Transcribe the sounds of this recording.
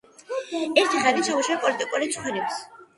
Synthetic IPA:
ɛɾt̪ʰiχaɾit͡ʃʰɛmuʃapʼɔlit̪ʼikʼuɾit͡ʃʰχwɛnips

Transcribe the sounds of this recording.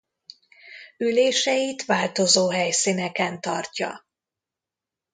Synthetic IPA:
yleːʃɛjit̪ʋaːlt̪o̞zoːɦɛjsinɛkɛnt̪ɒrcɒ̰

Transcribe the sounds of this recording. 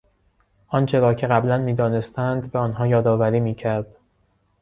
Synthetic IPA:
ʔɒnt͡ʃʰe̞ɾɒːcʰe̞ɣæblænmiːd̪ɒːne̞st̪ænd̪beɒːnɦɒːjɒːd̪ɒːvæɾiːmiːcʰæɾd̪̥

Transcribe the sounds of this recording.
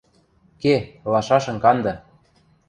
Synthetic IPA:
kelɑʃɑʃɤ̆ŋkɑnd̪ɤ̆

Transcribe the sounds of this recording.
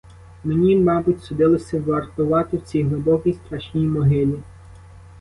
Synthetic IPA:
menʲimɑbʊtʲsɔd̪ɪlˠɪsʲɐʋɐrt̪ʊʋɑt̪ɪwt͡sʲijɦlˠʊbɔkʲijst̪ɾɑʃnʲijmɔɦɪlʲi

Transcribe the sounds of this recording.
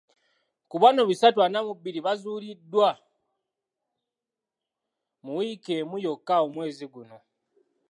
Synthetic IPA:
kuβano̞βisatwanamubiɾiβazuːlidːwa | muwike̞mujo̞kːaomwe̞ːziɡuno̞

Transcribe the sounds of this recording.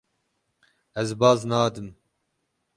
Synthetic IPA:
ɛzbɑːznɑːd̪ɨm

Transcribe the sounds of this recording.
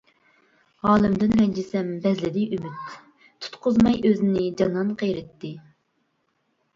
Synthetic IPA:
ʁɑːlˠɪmd̪ɪnɾɛnd͡ʒɪsɛmbɛzlɪd̪ɪjʔymyt̪ | t̪ʰːu̥t̪qʰʊzmɑjøzɪnɪd͡ʒɑnɑnqʰejɾɪt̪ːɪ

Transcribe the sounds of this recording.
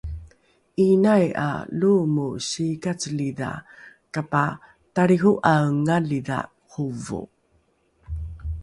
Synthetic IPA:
inaja̰lumuɕikat͡səliða̰ | kapa | taɾiɣuʔaŋalida̰ | huvṵ

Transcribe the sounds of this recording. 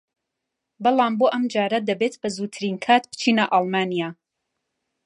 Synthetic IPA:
bɑlˠaːmboːʔɐmd͡ʒaːɾɐd̪ɐbeːt̪bɐzuːt̪ʰɨɾinkʰaːt̪bɨ̥t͡ʃʰiːnɐʔɑlˠmaːnijaː

